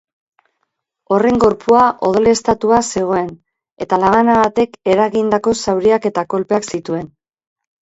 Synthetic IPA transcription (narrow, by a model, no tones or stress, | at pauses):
o̞re̞ŋɡo̞ɾpuaʔo̞ð̞o̞le̞ːst̪at̪uase̞ɣ̞o̞e̞n | e̞t̪alaβanaβat̪e̞ke̞ɾaɣind̪ako̞sawɾiake̞t̪ako̞lpe̞aksit̪ue̞n